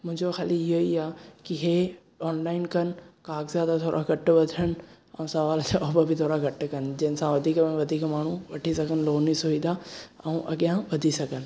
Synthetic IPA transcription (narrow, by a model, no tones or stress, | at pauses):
mʊ̃ɦɪ̃ɲd͡ʑoxaːliɪɦoiaːkiɦe | ɔːnlaːɪnkɐn̆kaːkzjaːd̪at̪ʰoːɾʔa̰ɡɐʈʋɐd̪ʱʰəñ̆ | ɛ̃ũsɐʋaːltʰɔːbəbʱɪt̪ʰoːɾaɡʱɐʈkɐn̆d͡ʑɐɦɪnɪsãʋɐd̪ʱiːkmẽʋɐd̪ʱiːkmaːɳ̤ũʋɐʈʰisɐɡʱənloːnisʊid̪aɛũʔɐ̰ɠɪjãʋɐd̪ʱisɐɡʱənɪ̆